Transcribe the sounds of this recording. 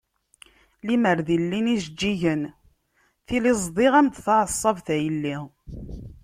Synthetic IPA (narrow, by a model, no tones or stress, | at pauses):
liməɾðilːinisd͡ʒːiʝən | θilizˤd̪ˤiʁæmt̪θɑʕəsˤːɑvθæjəlːi